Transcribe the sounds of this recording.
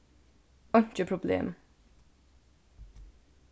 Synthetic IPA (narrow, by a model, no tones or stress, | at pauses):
ɑnt͡ʃəpʰɾʊblḛːm